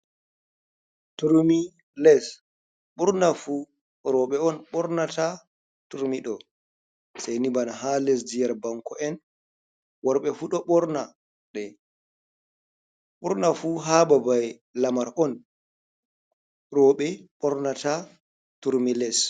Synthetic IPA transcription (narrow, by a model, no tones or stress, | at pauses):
tuɾmi | lɛs | ɓuɾnafu | ɾɔɓɛɔnɓɔɾnata | tuɾmiɗɔ | sajnibanaɦalɛs̬dijaɾbaŋkʰɔɛn | wɔɾɓɛfuɗɔɓɔɾna | ɗɛ | ɓuɾnafuɦababaj | lamaɾʔɔn | ɾɔɓɛɓɔɾnata | tuɾmilɛs